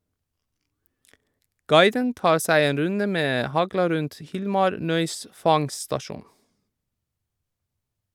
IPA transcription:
ˈɡɑɪdən ˈtɑːɾ ˈsæɪ ˈeːn ˈɾʉndə ˈmeː ˈhɑɡlɑ ˈɾʉnt ˈhɪlmɑɾ ˈnœʏs ˈfɑŋstɑˌʃuːn

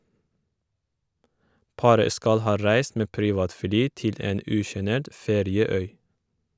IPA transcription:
ˈpɑːɾə ˈskɑl ˈhɑː ˈɾæɪs ˈmeː ˈpɾiːʋɑːtˌflyː ˈtɪl ˈeːn ˈʉːʃəˌneːʈ ˈfeːɾɪəˌœʏ

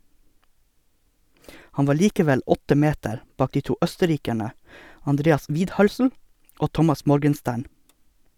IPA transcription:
ˈhɑn ˈʋɑː ˈɭiːkəˌʋɛl ˈɔtə ˈmeːtəɾ ˈbɑːk ˈdiː ˈtuː ˈœstəˌɾiːkæɳə ɑnˈdɾeːɑs ˈʋiːdˌhœlsl̩ ˈoː ˈtɔmɑs ˈmɔɾɡənˌstæːɳ

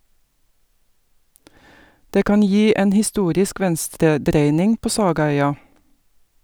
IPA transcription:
ˈdeː ˈkɑːn ˈjiː ˈeːn hɪˈstuːɾɪsk ˈʋɛnstɾəˌdɾeɪnɪŋ ˈpoː ˈsɑːɡɑˌœʏɑ

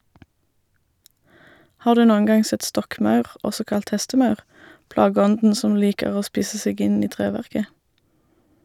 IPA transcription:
ˈhɑːʁ ˈdʉː ˈnoːəŋ ˈɡɑŋ ˈsɛt ˈstɔkˌmɑʉʁ ˈʔɔsɔ ˈkɑlt ˈhɛstəˌmɑʉʁ ˈplɑːɡəˌɔndn̩ ˈsɔm ˈliːkəʁ ˈoː ˈspiːsə ˈseːɡ ˈɪn ˈiː ˈtʁeːʋæʁkə

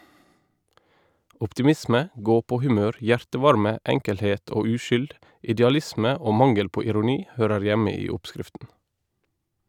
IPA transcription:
ʔɔptɪˈmɪsmə ˈɡoːpoːhʉˌmøːɾ ˈjæɹtəˌʋɑɾmə ˈɛŋkəlheːt ˈoː ˈʉːʃʏld ɪdɛɑˈlɪsmə ˈoː ˈmɑŋəl ˈpoː ɪɾʊˈniː ˈhøːɾəɹ ˈjæmə ˈiː ˈɔpˌskɾɪftn̩

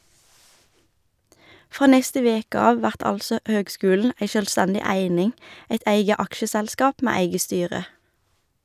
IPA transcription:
ˈfʁoː ˈnɛstə ˈʋeːkə ˈɑːʋ ˈʋæʁt ˈɑlsɔ ˈhøːɡˌskʉːln̩ ˈæɪ ʃœlˈstɛndɪ ˈæɪnɪŋ ˈæɪt ˈæɪɡə ˈɑkʃəˌsɛlˌskɑːp ˈmeː ˈæɪɡə ˈstyːʁə

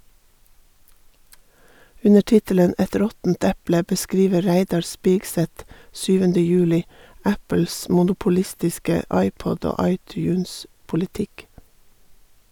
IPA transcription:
ˈʉnə ˈʈɪtələn ˈɛt ˈɾɔtn̩t ˈɛplə bəˈskɾiːʋə ˈɾæɪdɑɾ ˈspiːɡsɛt ˈʃyːʋəndə ˈjʉːlɪ ˈæpl̩s ˌmʊnʊpʊˈlɪstɪskə ˈɑɪˌpɔd ˈoː ˈɑɪˌtjʉːnspʊlɪˌtɪk

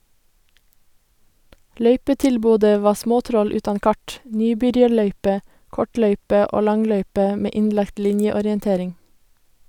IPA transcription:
ˈlœʏpətɪlˌboːdə ˈʋɑː ˈsmoːˌtɾɔl ˈʉːtɑn ˈkɑʈ ˈnyːˌbʏɾjɑɾˌɭœʏpə ˈkɔˌʈlœʏpə ˈʔoː ˈlɑŋˌlœʏpə ˈmeː ˈɪnlɑkt ˈlɪnjəɔɾjənˌteːɾɪŋ

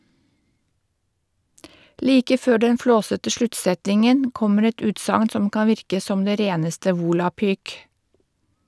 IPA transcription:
ˈliːkə ˈføː ˈɖɛn ˈfloːsətə ˈʃlʉtˌsɛtɪŋən ˈkɔməɾ ˈɛt ˈʉːtsɑŋn ˈsɔm ˈkɑːn ˈʋɪɾkə ˈsɔm ˈdeː ˈɾeːnəstə ˈʋuːlɑpyːk

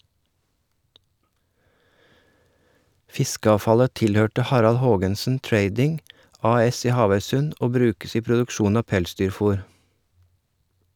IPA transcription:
ˈfɪskəɑːfɑlə ˈtɪlhøːʈə ˈhɑɾɑl ˈhoːɡənsn̩ ˈtɹeɪdɪŋ ˈɑːˌɛs ˈiː ˈhɑːʋœʏsʉn ˈoː ˈbɾʉːkəs ˈiː pɾʊdʉkˈʃuːn ˈɑː ˈpɛlˌsdyːɾˌfʊɾ

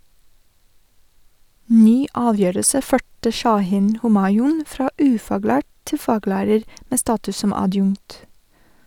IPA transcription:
ˈnyː ˈɑːˌʋjøːɾəsə ˈføːʈə ʃɑˈhiːn ˈhoːmɑɪʊn ˈfɾɑː ˈʉːfɑːˌɡlæːʈ ˈtɪ ˈfɑːɡlæːɾəɾ ˈmeː ˈstɑːtʉs ˈsɔm ɑˈdjʊŋt

